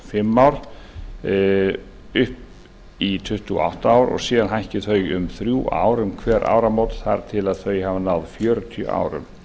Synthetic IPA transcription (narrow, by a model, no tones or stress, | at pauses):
fɪmːawɾ | ʏhp | it̪ʰʏht̪uɔ̰ʔa̰wht̪aaːwɾɔ̰ɣsiːðanɦajhcɪθœɥjʏmθɾjuʔa̰ːwɾʏmkʰvɛːɾʔa̰ːwɾamowt̪θa̰ɾ̥t̪ʰɪlaðθœːɥjhavanawðfjœːɾʏt̪ʰjœ̰ʔa̰ːwɾʏ̰m